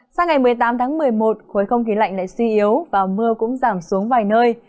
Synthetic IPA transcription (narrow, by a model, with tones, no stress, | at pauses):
saː˧wŋa˨˩jmɨ˨˩əjt̪aː˨˦mt̪ʰaː˨˦ŋmɨ˨˩əjmo˨˩t̚xo˨˦jxə˧wŋ͡mxi˨˦la̰˧jŋ̟la̰ː˧˨jswi˧ʔi˨˦əwvaː˨˩mɨ˧əkʊ̰˧˥ŋ͡mzaː˧˩msu˨˦əŋvaː˨˩jnəː˧j